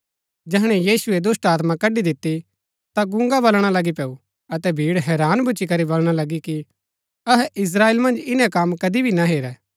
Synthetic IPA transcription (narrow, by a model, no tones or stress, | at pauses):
d͡ʒɛɦɽ̃ɛjiːsʊed̪ʊsʈaːt̪mãkɐɖid̪ɪt̪ːi | t̪aɡʊ̃ŋɡabɐlɽ̃alɐɡipɛːu | ɐt̪ɛbʱiːɽɦɛːɾaːnbʱʊːt͡ʃikɐɾibɐlɽ̃alɐɡiki | ɐɦɛʔɪs̬ɾaːeːlmɐ̃nd͡ʒɪnɛ̃kɐmkɐd̪ibʱinaɦeːɾɛː